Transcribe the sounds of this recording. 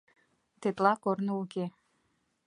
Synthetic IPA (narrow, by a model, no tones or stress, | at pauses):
t̪et̪lɑkornouke